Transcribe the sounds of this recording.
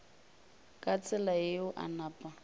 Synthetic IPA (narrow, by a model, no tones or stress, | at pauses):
kʼat͡sʼɪlaeʊʔa̰naːpʼa